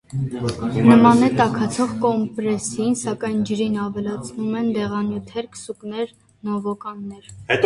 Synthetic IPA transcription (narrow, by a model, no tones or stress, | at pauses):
nəmɑnɛt̪ɑkʰɑt͡sʰɔʁkɔmpɾɛsinsɑkɑjnd͡ʒəɾinɑvɛlɑt͡sʰnumɛnd̪ɛʁɑnjut̪ʰɛɾkə̥suknɛɾ | nɔvɔkɑnːɛɾ